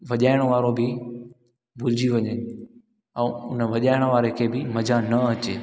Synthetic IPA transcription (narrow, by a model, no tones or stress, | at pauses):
ʋɐʄaːɪɽ̃ʋaːɾobɪ | bʱʊld͡ʑiʋɐɲe | ɛ̃ːʊnəʋɐʄaːɪɽ̃ʋaːɾekʰeːbɪmɐd͡ʑʱanɐɐt͡ɕeː